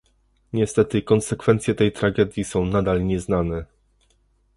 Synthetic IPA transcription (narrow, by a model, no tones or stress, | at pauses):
ɲɛst̪ɛt̪ɘkɔnsɛkfɛnt̪sʲjɛt̪ɛjt̪ɾaɡɛd̪ʲjisɔ̃w̃nad̪alɲɛznanɛ